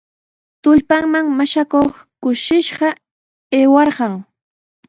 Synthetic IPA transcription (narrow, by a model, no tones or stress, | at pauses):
t̪ʊʎpaŋmaŋmaʃakoχ | kʊʃɪʃɢɑ | eːwɑɾɢɑŋ